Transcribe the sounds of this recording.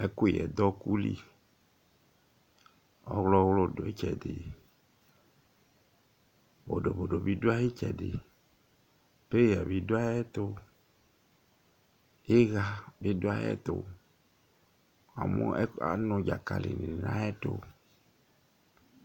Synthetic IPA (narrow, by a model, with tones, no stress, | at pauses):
ɛ˦ko˦˨jɛ̰˨d̪ɔ˦ku˦li˦ | ɔ˦ɣlɔ˦wlo˦˨do˨e˦t͡ʃɛ˨dɪ˨ | bo˨do˨bo˨ɖo˨bi˦do˦a˦je˦t͡ʃɛ˨dɪ̰˨ | pe˦ɣa˨bi˨do˦a˦jɛ˦t̪o˦ | e˦ɣa˨bi˦do˦a˦jɛ̰˦t̪o˨ | a̰˨mo̰˦ɛ˦a˨nʊ̃˨d͡ʒa˨ka̰˨lḭ˨ni˨n˨nã˦jɛ˦t̪o̰˦